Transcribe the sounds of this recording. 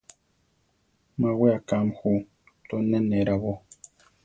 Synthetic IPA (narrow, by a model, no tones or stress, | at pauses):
mãweakamhu | t̪onẽnẽɾaβo